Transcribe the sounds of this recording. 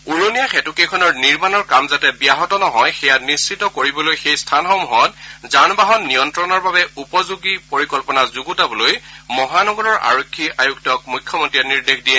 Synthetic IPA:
uɹonijaxɛtukejkʰɔnɔɹniɹmanɔɹkamzatɛbijaɦɔtɔnɔɦɔjxɛjanisːitɔkoɹibɔlojxejstʰanɦɔmɔɦɔtzanbaɦɔnːijɔntɹɔnɔɹbabɛupɔzuɡipoɹikɔlpɔnazuɡutabɔlojmɔɦanɔɡɔɹɔɹʔa̰ɹokʰːiʔajuktɔk̚mujkʰːjɔmɔntɹiɛniɹdexdiɛ

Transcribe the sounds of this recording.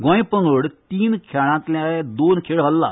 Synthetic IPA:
ɡãːĩːpəŋɡəɽt̪iːnkʰjaːɽ̃ãːt̪lẽaːed̪oːnkʰeːɽɦəlːa̰ː

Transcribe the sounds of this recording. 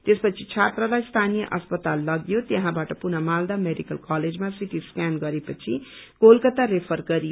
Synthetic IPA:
t̪espʌt͡sʰit͡sʰat̪rʌlajst̪ʰanijʌ̰ʔʌspʌt̪alːʌɡjot̪jʌɦãbaʈʌpunʌmald̪ameɖikʌlkaled͡zmãsiʈiskanɡʌɾepʌt͡sʰiɡ̥olkʌt̪aɾepʰʌrɡʌɾijo

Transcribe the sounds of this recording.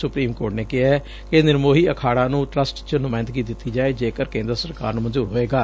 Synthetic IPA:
sʊpɾiːmkoːʈneːkɪɦaɛ | kɪnɪɾmoːɦiːəkʰaːɽãːnũːʈɾəsʈt͡ʃənʊmaːɪnt̪ɡiːd̪ɪt̪ːiːd͡ʒaːeːd͡ʒeːkəɾkẽːnd̪əɾsəɾka̰ːɾnũmənzuːɾɦoːeːɡaː

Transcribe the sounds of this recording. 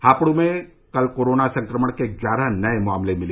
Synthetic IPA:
haːpɽ̃ũmẽ | kɐlkoːɾoːnasɐ̃ŋkɾəməɽ̃kezjaːɾanɐemʊaːmlemɪli

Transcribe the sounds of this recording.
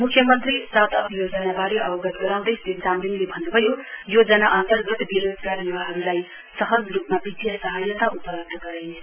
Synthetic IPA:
mukʰjʌmʌnt̪risat̪ʌtjod͡zʌnabaɽiʔʌbʌɡʌt̪ɡʌɾaw̃d̪ʌjst̪it̪d͡zamd̪inlebʱʌnːubʱʌjojod͡zʌnaʔʌnt̪ʌrɡʌt̪biɾod̪ɡaniwaɦʌɾulaj | sʌɦʌd͡zrupmabid̪jasʌɦʌjʌt̪aʔupʌɾʌt̪ːʌɡʌɾej

